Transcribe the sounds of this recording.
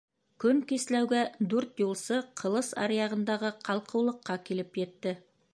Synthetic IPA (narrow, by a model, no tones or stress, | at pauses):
kʲʰɵŋkʲeslæwɡʲæd̪ɵɾt̪julˠsɤqʰə̆lˠəsɑ̰ɾjɑʁə̆nd̪ɑʁəqʰɑlˠqɤ̆wlˠə̆qːɑkʲʰelɪpjet̪ːɪ